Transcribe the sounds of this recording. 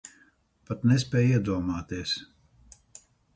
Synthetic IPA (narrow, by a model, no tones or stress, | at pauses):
pat̪nɛspʲɛːjiɛd̪uɔmaːt̪iɛs